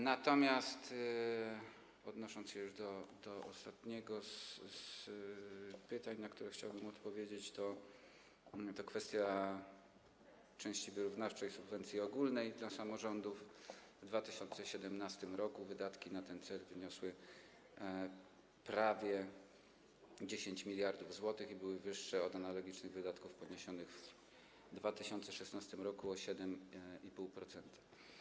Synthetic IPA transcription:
nat̪ɔmʲjast̪ | ɔd̪nɔʂɔnt̪sɕɛjuʐd̪ɔd̪ɔɔ̰st̪at̪ɲɛɡɔss | pɘt̪aɲnakt̪uɾɛxt͡ɕawbɘmɔt̪pɔvʲjed͡ʑet͡ɕt̪ɔ | t̪ɔkfɛst̪ʲja | t͡ʂɛ̃w̃ɕt͡ɕivɘɾuvnaft͡ʂɛjsubvɛnt̪sʲjiɔɡulnɛjd̪lasamɔʐɔnd̪uf | vd̪vat̪ɘɕɔnt̪sɛɕɛd̪ɛmnast̪ɘmɾɔkuvɘd̪at̪kʲinat̪ɛnt̪sɛlvɘɲɔswɘ | pɾavʲjɛ | d͡ʑeɕeɲt͡ɕmʲilʲjaɾd̪uvzwɔt̪ɘxibɘwɘvɘʂːɛɔd̪analɔɡʲit͡ʂnɘɣvɘd̪at̪kufpɔɲeɕɔnɘɣv | d̪vat̪ɘɕɔnt̪sɛʂɛsnast̪ɘmɾɔkuɔɕɛd̪ɛmipuwpɾɔt̪sɛnt̪ʰḁ

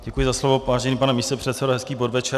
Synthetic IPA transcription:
ɟɛkujɪzaslovovaːʒɛniːpanɛmiːst̪opr̝̥ɛt̪sɛdoɦɛskiːbodvɛt͡ʃɛ

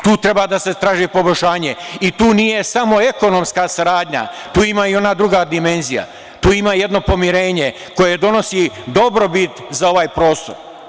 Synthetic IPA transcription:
t̪uːt̪ɾe̞baːd̪aset̪ɾaːʒipo̞bojʲʃaːɲe̞it̪uːnije̞samo̞e̞ko̞nomskasaɾaːd̪ɲa̰t̪uːimaio̞naːd̪ɾuɡad̪ime̞nzija̰ | t̪uːimaːje̞d̪no̞po̞miɾe̞ːɲe̞ | ko̞je̞d̪o̞no̞sid̪o̞bɾo̞bit̪zao̞ʋaːjpɾo̞ːst̪o̞ɾ

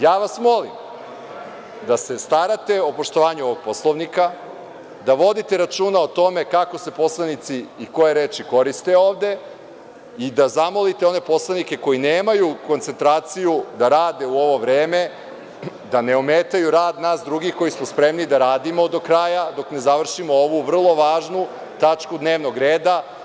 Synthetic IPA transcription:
jaːʋasmo̞lim | d̪ase̞st̪aɾat̪e̞o̞po̞ʃt̪oʋaːɲuo̞ʋoɡ̥̚po̞slˠoʋnika | d̪aʋo̞d̪it̪e̞ɾat͡ʃuːnaot̪o̞me̞kako̞se̞po̞slˠanit̪siːko̞jeɾeːt͡ʃiko̞ɾist̪e̞oːʋd̪e̞ | id̪azamo̞lit̪eo̞ne̞po̞slˠanike̞ko̞jineːmajuko̞nt̪se̞nt̪ɾaːt̪sijud̪aɾaːd̪e̞uo̞ʋo̞ʋɾeːme̞ | d̪ane̞omeːt̪ajuɾaːd̪naːsd̪ɾuɡixko̞jismospɾe̞mnid̪aɾaːd̪imo̞d̪o̞kɾajad̪o̞kne̞zaʋr̩ʃimooʋuʋr̩lˠo̞ʋaːʒnu | t̪at͡ʃkud̪neːʋno̞ɡɾeːd̪a

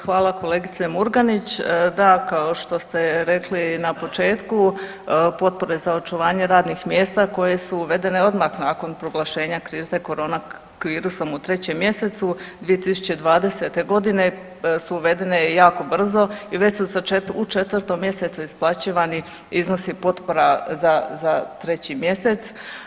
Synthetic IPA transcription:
xʋaːlˠako̞le̞ːɡit̪se̞muɾɡanit͡ɕd̪akaoʃt̪o̞st̪e̞ɾe̞klinapo̞t͡ʃe̞ːt̪ku | po̞t̪̚po̞ɾe̞zao̞t͡ʃuʋaːɲeɾaːd̪nixmje̞ːst̪ako̞je̞suːʋe̞d̪e̞ne̞o̞d̪maxnaːko̞npɾo̞ɡlˠaʃe̞ːɲakɾiːzt̪eko̞ɾo̞ːna | ʋiːɾuso̞mut̪ɾe̞t͡ɕe̞mːje̞se̞t̪sud̪ʋije̞t̪isu̥t͡ɕe̞d̪ʋaːd̪e̞set̪e̞ɡo̞d̪ine̞ | suːʋe̞d̪e̞ne̞jaːko̞br̩zo̞iʋe̞t͡ɕsusaeut͡ʃe̞t̪ʋɾt̪o̞mje̞se̞t̪suisplˠat͡ɕiːʋani | izno̞sipo̞t̪po̞ɾazazat̪ɾe̞t͡ɕimje̞se̞t̪s

